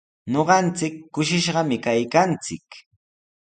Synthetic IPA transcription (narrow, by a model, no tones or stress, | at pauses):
ɲoɢɑnt͡sɪkːʊʃɪʃɢɑmɪkajkant͡sɪ̰k